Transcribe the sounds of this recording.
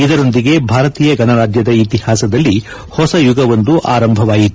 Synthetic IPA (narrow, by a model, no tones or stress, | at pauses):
id̪ɐɾo̞nd̪iɡe̞bʱaːɾɐt̪iːjɐɡɐnɐɾaːd͡ʒjɐd̪ɐit̪ihaːsɐd̪ɐlːi | hɔsɐjuɡɐʋond̪uʔaːɾɐmbʱɐʋaːjit̪ː